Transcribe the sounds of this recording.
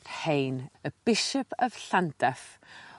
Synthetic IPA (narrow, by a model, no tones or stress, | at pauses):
hejnəb̥ɪʃɔpʰəv̥ɬantʰɛf